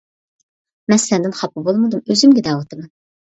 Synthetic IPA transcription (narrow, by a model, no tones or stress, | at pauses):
mɛslɛnd̪ɪnχɑpːɨbolˠmɨd̪umøzymɡʲɛd̪ɛwɑt̪ʰɨmɑn